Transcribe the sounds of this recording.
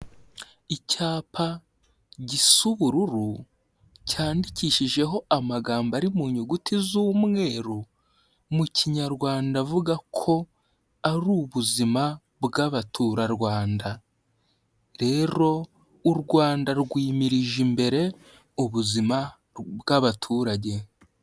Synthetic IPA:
icaːpʰa | ɟisuβuɾuɾu | caːndiciːʃiʒe̞ɦo̞amaɡaːmbaɾimuːɲuɡutizumŋe̞ːɾu | mucʰiɲaɾɡwaːndavuɡakʰo̞ | aɾuːβuzima | bɡaβatʰuɾaɾɡwaːnda | ɾe̞ɾo̞ | uɾɡwaːndaɾɡwiːmiɾiʒimbe̞ɾe̞ | uβuzima | bɡaβatʰuːɾaɟe̞

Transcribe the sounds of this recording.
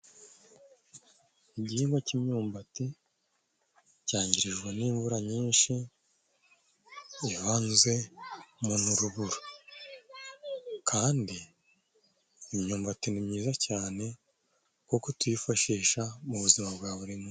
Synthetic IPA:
iɟiiŋɡwacimɲuːmbati | caːɲɟiɾiʒɡweniːɱvuɾaɲiːnʃi | βaːnze̞munuɾuβuɾo | kʰaːndi | mɲuːmbatinimɲiːzacaːne̞ | kokotwifaʃiːʃamuβuzimabɡaːβuɾimŋo

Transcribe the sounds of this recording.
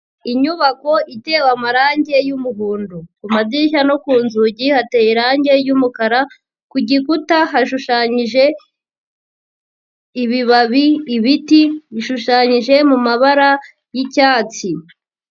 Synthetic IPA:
iɲuβako̞ʔite̞ːwamaɾaːɲɟe̞jumuɦuːndukumaziʃ̬ano̞kuːnzuɟihatejiɾaːɲɟe̞jumukaɾa | kuɟikutaɦaʃuʃaɲiʒe̞ | iβiβaβiːβitiiʃuʃaɲiʒe̞mumaβaɾa | jicaːt͡si

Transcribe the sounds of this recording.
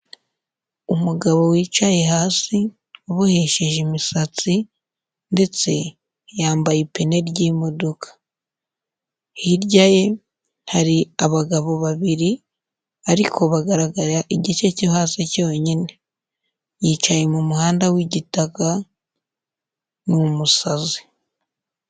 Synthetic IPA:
umuɡaβo̞wiːt͡ʃaje̞ɦaːsi | uβoheʃeʒimisat͡si | nde̞t͡se̞ | jaːmbajepe̞ne̞ɾɟiːmo̞dokḁ | hiɾɟaje̞ | haɾiaβaɡaβo̞βaβiɾi | aɾikʰo̞βaɡaɾaɡaɾaʔiɟit͡ʃecohasico̞ːɲine̞ | jiːt͡ʃaje̞mumuhaːndawiɟitaka | nuumusazi

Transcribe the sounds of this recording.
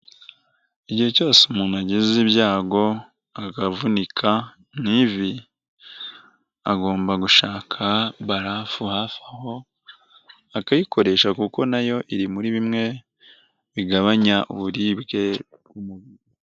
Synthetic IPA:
iɟihe̞co̞ːsemuːnuaɟizibjaːɡo̞ | akavunikʰa | nivi | aɡo̞ːmbaɡuʃaːkʰaβaɾafuhafaho̞ | akajiko̞ɾe̞ʃakuko̞najo̞ʔiɾimuɾiβimŋe̞ | βiɡaβaɲaʔuβuɾibɡe̞ | bɡumuβiɾu

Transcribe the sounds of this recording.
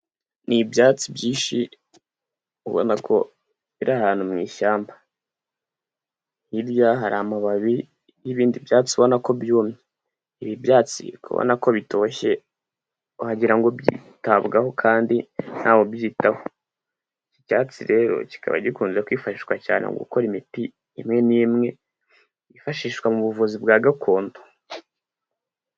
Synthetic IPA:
nibjaːt͡sibjiːʃi | uβo̰nakʰo̞̰ | iɾahaːn̥umŋiːʃaːmba | hiɾjaɦaɾaːmaβaβi | jiβiːndibjaːt͡siβo̞nako̞bjuːmɲe | iβibjaːt͡sḭkuβo̰nako̞βito̞ːʃe̞ | uhaɟiɾaŋɡo̞bjḭtaβɡaho̞kʰaːndin̥haːwo̞bjiːtaho | icicaːt͡siɾe̞ːɾo̞̰ci̥ka̰βa̰ɟikuːnzekwiːfaʃiːʃkwaca̰ːnḛŋɡṵko̞ɾimiti | imŋe̞niːmŋe̞ | ifaʃiːʃwamuβuvuzibɡaːɡakʰo̞ːndo

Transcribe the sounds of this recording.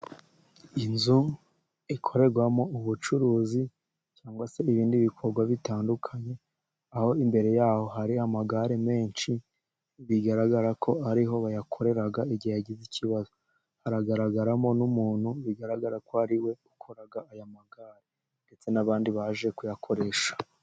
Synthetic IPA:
inzu | ikʰo̞ɾe̞ɾɡwamo̞uβut͡ʃuɾuːzi | caːŋɡwase̞iβiːndiβikʰo̞ɾɡwaβitaːndukʰaɲe̞ | aho̞imbe̞ɾe̞jaːho̞ɦaɾiamaɡaɾeme̞ːnt͡ʃi | βiɡaɾaɡaɾakʰo̞aɾiɦo̞βajakʰo̞ɾe̞ɾaɡaiɟijaɟiziciβazo | haɾaɡaɾaɡaɾamo̞numuːn̥huβiɡaɾaɡaɾakoaɾiwe̞ukʰoɾaɡaajamaɡaːɾe | nde̞t͡se̞naβaːndiβaʒe̞kujakʰo̞ɾe̞ːʃḁ

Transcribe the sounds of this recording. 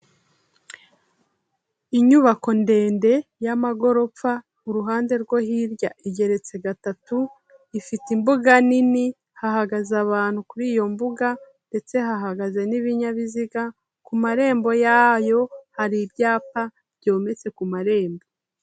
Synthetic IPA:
iɲuβako̞nde̞ːnde̞jamaɡo̞ɾo̞p͡fa | uɾuɦaːnde̞ɾɡwohiɾɟaʔiɟe̞ɾe̞t͡se̞ɡatatu | ifitimbuɡanini | haɦaɡazaβaːn̥hukuɾiːjo̞mbuɡa | nde̞t͡se̞ɦaɦaɡaze̞niβiɲaβiziɡa | kumaɾe̞ːmbo̞jaːjo̞haɾiɾɟaːpa | ɾɟo̞ːme̞t͡se̞kumaɾe̞ːmbo

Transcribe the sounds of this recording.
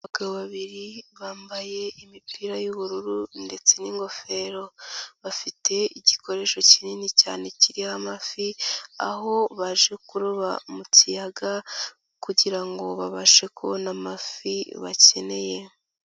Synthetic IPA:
aɡaβaβiɾiβaːmbaje̞imipiːɾajuβuɾuɾunde̞t͡se̞niŋɡo̞fe̞ɾo̞βafite̞iɟiko̞ɾe̞ːʃo̞cininica̰ːne̞ciɾihamafia̰ɦo̞βaʒekuɾuβamucijaɡa | kuɟiɾaŋɡo̞βaβaʃe̞kʰo̞̰namafiβa̰ce̞ne̞je̞

